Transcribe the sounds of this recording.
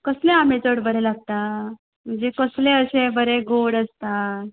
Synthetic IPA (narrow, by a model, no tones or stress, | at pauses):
kəsleamet͡səɽbəɾelaɡ̚t̪a | m̤əɳd͡ʑekəsleəɕebəɾeɡoɽəst̪a